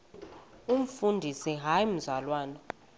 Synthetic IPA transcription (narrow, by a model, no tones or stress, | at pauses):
um̩fundʱisiɦaim̩zalwaːnɔ